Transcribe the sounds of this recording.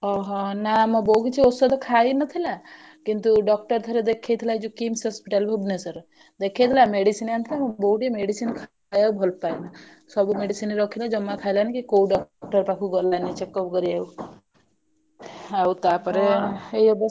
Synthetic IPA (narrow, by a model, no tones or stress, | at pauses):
ɔɦɔ̃namɔbowɡit͡ʃʰiosɔd̪ɔkʰainɔt̪ʰila | kint̪uɖɔk̚ʈɔɾt̪ʰɔɾed̪ekʰːet̪ʰlajd͡ʒukimsɔspiʈalbʱobnesɔɾ | d̪ekʰet̪ʰlameɖisinant̪ʰilamɔbouʈemeɽisinkʰajaubʱɔlpajna | sɔbumeɖisiniɾɔkʰilad͡ʒɔmːakʰajlanikikouɖɔkkʈɔɾpakʰuɡɔlːanit͡ʃekːɔpɡɔɾiau | aut̪apɔɾeeiɔb